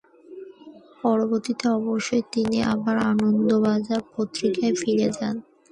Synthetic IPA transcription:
pɔɾoboɾt̪it̪eɔboʃːoet̪inia̰baɾanond̪obad͡ʑaɾpot̪ːɾikaefiɾed͡ʑan

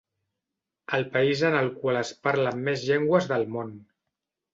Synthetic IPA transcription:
əlˠpəizənəlˠkwaləspaɾləmːezʎeŋɡwəzðəlˠmon

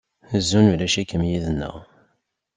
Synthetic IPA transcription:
əzːunulæʃækːəmjiðənːə̰ʁ

